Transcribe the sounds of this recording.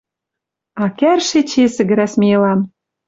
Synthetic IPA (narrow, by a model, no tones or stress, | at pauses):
ɑkærʃet͡ɕesɘ̆ɡɘ̆ɾæsmʲiĕlɑn